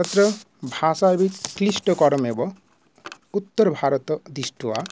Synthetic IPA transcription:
ɔt̪ɾɔ | bʱasabiklisʈɔkɔɾɔmebɔ | ut̪ːɔɾbʱaɾɔt̪ɔd̪isʈua

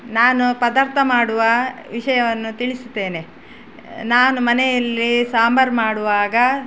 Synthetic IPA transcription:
naːnupɐd̪aːɾt̪ʰɐmaːɽuʋɐʋiʂɐjɐʋɐnːut̪iɭisu̥t̪ːe̞ːne | naːnumɐnɛjɐlːisaːmbʱɐɾmaːɽuʋaːɡɐ

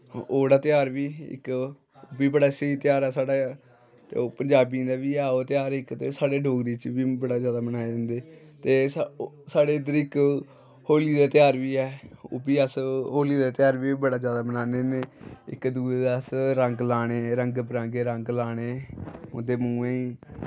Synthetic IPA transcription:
oːɽaːt̪jaːɾʋiːɪ̰k | ʊbiːbəɽaːsəiːt̪ɪjaːɾɛːsaːɽa | t̪ḛːoːpəɲd͡ʒaːbĩd̪aːʋiːɛːoːt̪ɪjaːɾɪkt̪eːsaːɽeːɖʱoːɡɾiːt͡ʃʋiːbəɽaːzjaːd̪aːmənaːed͡ʒə̃nd̪eː | t̪eːsaːɽeːd̪əɾɪk | hoːliːd̪aːt̪ɪjaːɾʋiːɛːʊ̰biːəsɦoːliːd̪aːt̪ɪjaːɾʋiːbəɽaːd͡ʒjaːd̪aːbənaːneːneːɪ̰kd̪uːeːd̪asɾə̃ŋɡlaːɽ̃eːɾəŋɡbɾãːŋɡeːɾəŋɡlaːɽ̃eːʊ̰d̪eːmũːẽːiː

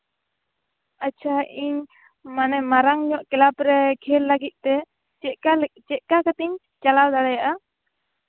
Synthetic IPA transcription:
at͡ʃʰaʔiɲ | manɛmaɾaŋɲɔʔkɛlapɾɛkʰɛlːaɡit̪̚ˀt̪ɛ | t͡ʃɛʔkalt͡ʃɛʔkakat̪iɲ | t͡ʃalawd̪alɛjaʔa

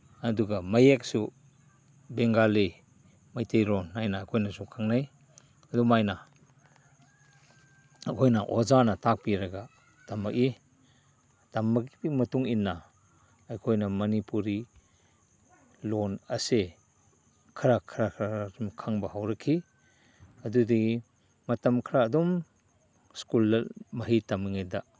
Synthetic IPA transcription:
ɐduɡɐmɐjek̚su | beŋɡali | majtʰejlɔnːajnaːkʰojnasukʰaŋnaj | ɐdumajna | akʰojnɐʔɔzanɐtak̚piɾɐɡa | tamaki | tamːakimɐtuŋinːaː | jkʰojnɐmɐnipuɾi | lɔnɐse | kʰɐɾakʰɐɾakʰɾaaɾimkʰaŋbɐhawɾɐkʰi | ɐdudii | mɐtɐmkʰɾaːd̪um | skulːmɐɦitɐmiŋed̪aʔ

